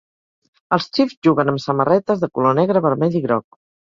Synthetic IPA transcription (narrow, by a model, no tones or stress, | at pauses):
əlˠst͡ʃifzʒuɣənəmsəmərɛt̪əzðəkulonɛɣɾəβəɾmɛʎiɣɾɔk̚